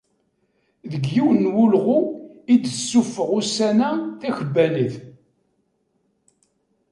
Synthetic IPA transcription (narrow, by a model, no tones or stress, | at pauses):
ðəɡjiwənwulʁuid̪əsːufəʁusænæθæçəbːæliθ